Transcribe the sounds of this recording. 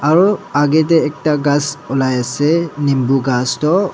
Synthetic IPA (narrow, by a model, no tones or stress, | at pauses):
aɹuaɡɛt̬ɛːk̚taɡasɔlajasɛnimbuɡastɔ